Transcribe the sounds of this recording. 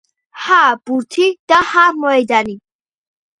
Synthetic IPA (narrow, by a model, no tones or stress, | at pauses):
hab̥uɾt̪ʰid̪̥ahaɾmɔɛd̪ani